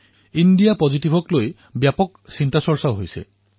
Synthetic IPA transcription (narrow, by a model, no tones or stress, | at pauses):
indijapɔzitibʱɔkloj | bjapɔksintasɔɹsaɦojsɛ̰